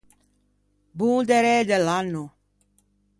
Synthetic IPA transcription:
bũd̪eɾed̪elanːu

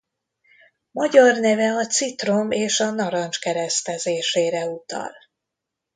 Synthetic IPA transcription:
mɒɟɒrnɛvɛɒt̪sit̪romeːʃɒnɒɾɒnt͡ʃkɛɾɛst̪ɛzeːʃeːɾɛut̪ɒ̰l

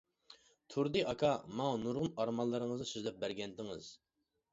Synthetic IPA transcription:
t̪ʰuɾd̪ɨʔɑkʰɑmɑŋɑnuɾʁʊnɑɾmɑlˠːəɾəŋəznɨsyzlɛp̚bæɾɡʲɛnd̪ɪŋɪz̥

